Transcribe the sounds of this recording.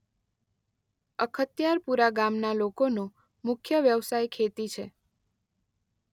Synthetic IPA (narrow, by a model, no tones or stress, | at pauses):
əkʰət̪jaɾpuɾaɡamnalokono | mʊkʰjəʋjəʋsajkʰet̪it͡ʃʰe